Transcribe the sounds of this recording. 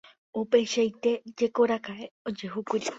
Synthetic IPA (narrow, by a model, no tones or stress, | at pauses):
upeʃajt̪e̞d͡ʒe̞ko̞ɾakaeod͡ʒeɦukʷiɾi